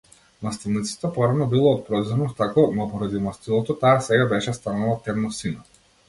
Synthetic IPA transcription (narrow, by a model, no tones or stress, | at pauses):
mast̪ilˠnit̪si̥t̪ɔpɔɾanɔbilˠɔːt̪̚pɾɔzɛnɔt̪akɔnɔpɔɾad̪imast̪ilˠɔt̪ɔt̪aːsɛɡabɛʃɛst̪analˠat̪ɛmnɔsina